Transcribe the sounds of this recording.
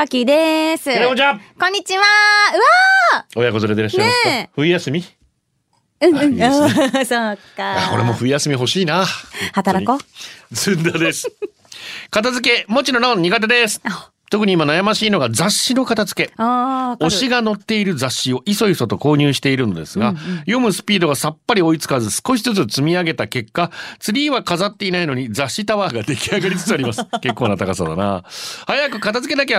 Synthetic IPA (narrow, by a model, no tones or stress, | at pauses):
akʲid̪esɨaɾeod͡ʑakõ̞ɲ̟ːit͡ɕiβaɯ̟βao̞jako̞zoɾed̪eɾaɕaɾeɸɯ̟ijasɨmʲi | ɯ̃asokaakko̞̰ɾemo̞ɸɯ̟ijasɨmʲiɦo̞ɕiːnahat̪aɾakozɨ̃nd̪ad̪esɨ̥ | kat̪azɨk̬e̞mo̞t͡ɕino̞ɾõɲ̟ɲːiɡat̪̬ed̪esɨ̥ | t̪o̞kɯ̟ɲ̟imanajamaɕiːno̞ɡad͡zaɕːino̞kat̪azɨ̥ke̞ | o̞ɕiɡano̞t̪ːe̞iɾɯ̟d͡zaɕːio̞ʔiso̞isso̞t̪o̞ko̞ːɲ̟ɨːɕi̥t̪e̞iɾɯ̟no̞d̪e̞̰sɨɡajo̞mɯ̟sɨ̥pʲiːd̪o̞ɡasapːaɾʲio̞it͡sɨ̥kazɨsɨ̥ko̞ɕ̬izɨt͡sɨt͡sɨmʲiaɡe̞t̪ake̞kːat͡sɨɾʲiːβakazat̪ːe̞inaino̞ɲ̟id͡zaɕːit̪aβaːɡad̪e̞kʲiaɡaɾʲit͡sɨ̥t͡sɨaɾʲimasɨ̥ke̞kːo̞ːnat̪akasad̪a̰na̰hajakɯ̟kat̪azɨke̞d̪ak̬ea